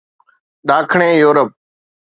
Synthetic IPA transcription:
ɗaːkʰɳẽːjoːɾəp̚

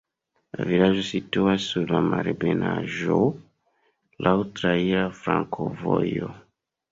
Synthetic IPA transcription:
la̰vilaʒosituasuɾlamaɾebenaʒo | lʔautɾaiɾafɾãŋkʰovojo

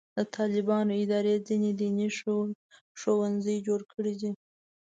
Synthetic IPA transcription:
d̪ət̪ʰɑlɪbɑnoɪd̪ɑɾezined̪iniʃ | ʃowanzəjd͡ʒoɽkʰəɽid̪i

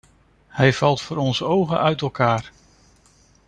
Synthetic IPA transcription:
hɛjv̥ɑlˠtfʊːɾɔnzəowχəʔœɥtɛlˠkaːɹ

